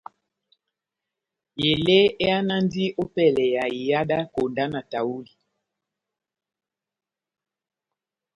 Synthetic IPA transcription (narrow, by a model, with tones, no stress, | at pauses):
je˨le˦e˦a˦na˦n˦di˦ʔo˦pɛ˦lɛ˨ja˨i˨ja˦da˦ko˨nda˦na˨ta˨wu˦li˨